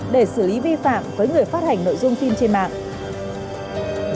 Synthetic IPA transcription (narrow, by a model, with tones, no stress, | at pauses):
ɗe˧˩sɨ˧˩li˨˦vi˧fa̰ː˧˨mvəː˨˦jŋɨ˨˩əjfaː˦˥t̚ha˨˩ŋ̟no̰˧˨jzʊ˧ŋ͡msi˧nt͡ɕe˧nma̰ː˧˨ʔ